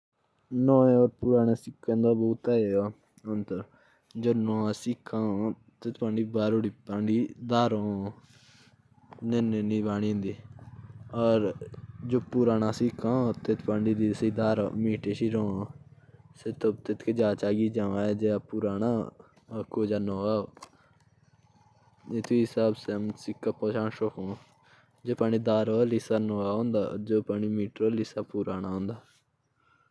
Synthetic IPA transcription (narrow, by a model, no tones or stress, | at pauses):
nɔ̃ːẽɔːɾpuːɾaːnaːsɪkʰːãːnd̪aːbɔːt̪aːeaː | ənt̪ə | d͡ʒoːnõːsɪkʰːãː | t̪et̪pãːɳɖiːbaːɾoːɽiːpaːɳɖiːd̪aːɾõː | nenenĩːbaːɽ̃iːẽːnd̪iː | ɔːɾd͡ʒoːpuːɾaːnaːsɪkʰãːt̪et̪ʰpãːɳɖiːd̪iːsiːd̪aːɾomiːʈeːʃiːɾõː | seːt̪ot̪et̪ked͡ʒaːt͡ʃaːɡiːd͡ʒãːʋãːɛːd͡ʒeːapuːɾaːnaː | koːd͡ʒaːnoːaːo | eːt̪ʰisaːbsemsɪkːapoːt͡ʃaːɳʃokõː | d͡ʒoːpaːɳiːd̪aːɾoːlisaːnoːaːɦõːnd̪a̰ːd͡ʒoːpaːɳiːmiːʈɾoːlisaːpuːɾaːnaːɦõːnd̪aː